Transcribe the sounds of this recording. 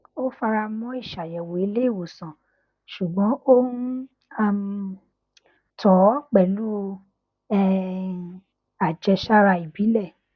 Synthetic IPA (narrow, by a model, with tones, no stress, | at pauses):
o˦fa˧ɾa˧mɔ̃˨˦i˦˨ʃa˨jɛ˨wo˨i˦le˦i˦˨wo˨sã˨ | ʃu˨ɡ͡bɔ̃˨˦ko˦n̩˦ | a˦m˧ | tɔ˨˦k͡pɛ˨lu˦˧ | ɛ˦˧ | a˨d͡ʒɛ˧ʃa˦ɾa˧i˨bi˨˦lɛ˦˨